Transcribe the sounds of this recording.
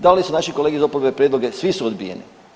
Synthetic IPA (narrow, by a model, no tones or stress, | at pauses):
d̪alisunaʃikoleɡizopoɾbepɾjed̪lˠoɡe̞sʋisuod̪bḭjḛnḭ